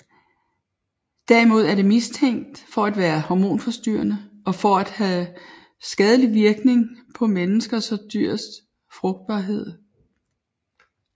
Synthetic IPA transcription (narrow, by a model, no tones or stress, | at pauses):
d̥æɐ̰imo̝ð̞̰ˠæɐɾ̥e̝mist͡sʰeŋ̰d̥fɒ̽æd̥ʋæːɐhɒmo̝̰ːnfɒ̽sd̥yɐnə | ɒ̽fɒæd̥hɛ | sɡ̥ɛð̞ˠəliʋiɐɡ̥ne̝ŋpʰɒ̽menəsɡ̥ɐsɒ̽d̥yɐ̰sd̥ | fʁɔ̽ɡ̥̚d̥̚b̥ɑ̈ːɦe̝ð̞̰ˠ